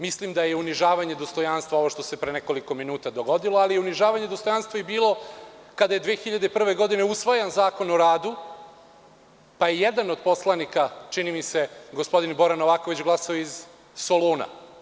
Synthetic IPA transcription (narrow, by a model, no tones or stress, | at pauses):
mislimd̪ajeuniʒaːʋaɲed̪o̞st̪o̞janst̪ʋao̞ʋoʃt̪o̞se̞pɾeneko̞liko̞minuːt̪ad̪o̞ɡo̞d̪ilˠoalijeuniʒaːʋaɲed̪o̞st̪o̞janst̪ʋojebiːlˠo̞kad̪aje̞d̪ʋeːxiʎad̪epr̩ʋe̞ɡo̞d̪ineusʋajanzaːko̞no̞ɾaːd̪u | pajejed̪anod̪̚po̞slˠanikat͡ʂinimise̞ɡo̞spo̞d̪inbo̞ɾanoʋaːko̞ʋit͡ɕɡlˠasaoiz | soloːna̰